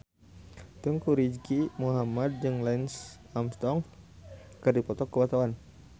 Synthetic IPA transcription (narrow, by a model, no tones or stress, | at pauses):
t̪uŋkuɾid͡ʒkimuɦamad̪̚d͡ʒəŋlɛns | amst̪ɔŋ | kərdipɔt̪ɔkːəbat̪awan